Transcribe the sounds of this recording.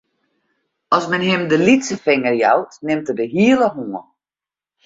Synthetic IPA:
ɔsmɛnɦɪmdəlitsəfɪŋərja̰wtnɪmtədəɦiələɦuːə

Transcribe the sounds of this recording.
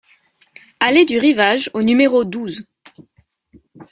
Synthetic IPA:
aled̪yʁivaʒonymeʁod̪uz

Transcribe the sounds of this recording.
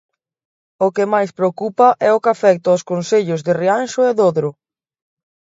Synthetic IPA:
ʊkɪmajspɾeokupɐʔɛʊkafɛk̚t̪ʊoskonseʎʊzðɪrianʃʊeðoðɾʊ

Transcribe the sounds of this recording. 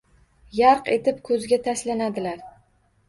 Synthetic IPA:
jaɾqe̞t̪ʰɪpkʰɵzɪɡʲat̪ʰaslanad̪ɪlaɾ

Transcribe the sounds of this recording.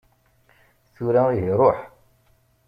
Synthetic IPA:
θuɾæiɦiɾˤoħ

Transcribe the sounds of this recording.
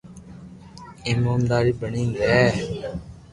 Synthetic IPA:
ɪmoːnd̪aːɾiːbəɳĩːŋɡɛː

